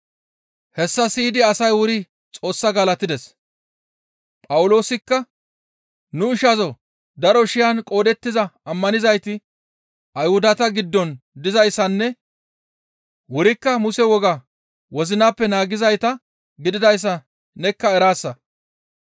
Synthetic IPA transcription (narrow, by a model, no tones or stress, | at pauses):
hɛsːɐsiːd̪ɪɐsɐjwʊɾɪ | t͡sʼo̞ːsːɐɡaːlɐt̪ːɪd̪ɛs | pʼɐwʊlo̞ːsɪkːɐ | nʊɪʃɐzɔ | d̪ɐɾɔʃɪjɐnkʼo̞ːd̪ɛt̪ːɪzɐɐmːɐnɪzɐjt̪ɪ | ʔɐjhʊd̪ɐt̪ɐɡɪd̪ːɔnd̪ɪzɐjsːɐnːɛ | wʊɾɪkːɐmʊsɛwɔɡa | wɔzɪnaːpːɛnaːɡɪzɐjt̪ɐ | ɡɪd̪ɪd̪ɐjs̬ːɐ | nɛkːɐɛɾaːsːɐ